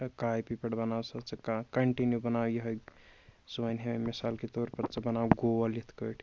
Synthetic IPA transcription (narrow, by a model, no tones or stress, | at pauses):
kajpipəɽbənawsət͡ʃekakəɳʈinjubənawjəɦəj | sojnɦememisalkit̪oɾpəɾt͡ʃabənawɡowəlit̪ʰkəʈʰ